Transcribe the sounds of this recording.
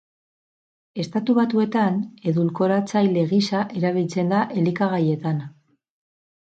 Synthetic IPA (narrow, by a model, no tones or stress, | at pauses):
e̞st̪at̪uβat̪ue̞t̪ane̞ðulko̞ɾat͡sajle̞ɣisaʔe̞ɾaβ̞ilt͡se̞nd̪aʔe̞likaɣaje̞t̪an